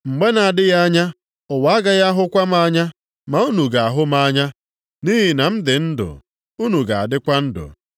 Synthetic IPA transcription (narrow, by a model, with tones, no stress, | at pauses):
ŋ͡m̩˨ɡ͡be˦na˨a˨dɪ˦ja˦ɲa˦ | ʊ˨wa˨˦a˦ɡa˦ɣa˦ɦʊ˦kʷa˦ma˦ɲa˦ | ma˨u˦nu˨ɡa˨a˨ɦʊ˦ma˦ɲa˦ | ni˦ɦi˨na˨m̩˦dɪ˨n̩˦dʊ̰˨ | u˦nu˨ɡa˨a̰˨dɪ˦kʷa˦n̩˦dʊ̰˨